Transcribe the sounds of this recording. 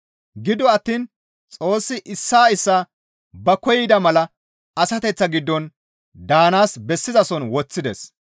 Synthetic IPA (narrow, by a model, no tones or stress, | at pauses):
ɡɪd̪ɔɐt̪ːiːn | t͡sʼo̞ːsːɪʔɪsːaːɪsːaː | bɐkɔjɪd̪ɐmɐlɐ | ɐsɐt̪ɛt͡sːɐɡɪd̪ːɔn | d̪aːnaːsbɛsːɪzɐsɔnwɔt͡sːɪd̪ɛs